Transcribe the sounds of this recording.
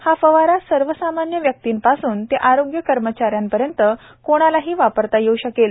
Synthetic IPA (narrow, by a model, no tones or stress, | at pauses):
hafəʋaɾasəɾʋəsamanjəʋjək̚t̪iːmpasuːnt̪eʔaɾoɡjəkəɾmət͡ɕaɾjampəɾjənt̪ə | koɽ̃alaɦiːʋapəɾt̪ajeuɕəkel